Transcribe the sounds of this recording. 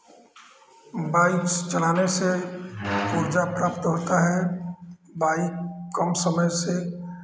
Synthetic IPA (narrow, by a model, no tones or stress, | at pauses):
baːɪkst͡ʃɐlaːnese | kuːɾd͡ʒapɾaːpt̪ɦoːt̪aɦɛ | baːɪkkəmsəməjse